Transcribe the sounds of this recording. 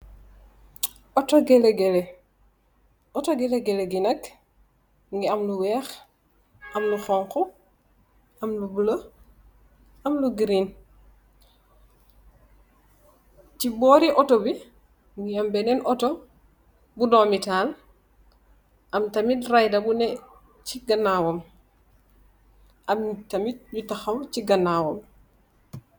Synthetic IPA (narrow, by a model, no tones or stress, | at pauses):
ɔtɔɡɛlɛɡɛlɛ | ɔtɔɡɛlɛɡɛlɛɡinɐk | ŋɡiɐmluwɛːx | ʔɐmluxɔŋkɔ | ɐmlubulə | ɐmluɡɾin | cibɔːɾiʔɔtɔbi | nijɐmbɛnɛnʔɔtɔ | budɔmitaːl | ʔɐmtɐmitrajdɐbunɛ | ciɡɐnːawɔm | ʔɐmtɐmit̚butɐxɐwciɡɐnːawɔm